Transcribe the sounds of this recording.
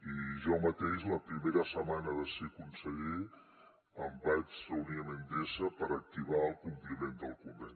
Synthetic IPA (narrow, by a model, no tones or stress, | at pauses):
iʒɔmət̪eʃləpɾimeɾəsəmanəðəsikunsəɣi | əmbat͡ʃrəuniəmend̪esəpəɾək̚t̪iβ̞aəlˠkumplimend̪əlˠkumbeɲ